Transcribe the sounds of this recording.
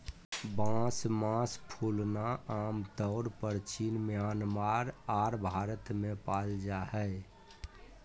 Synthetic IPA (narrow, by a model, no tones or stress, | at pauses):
bãːsmãspʰuːlnaaːmt̪ɔʊɾpəɾt͡ʃinmjaːnmaːɾaːɾbʱaːɾət̪mẽpaːld͡ʒahɛ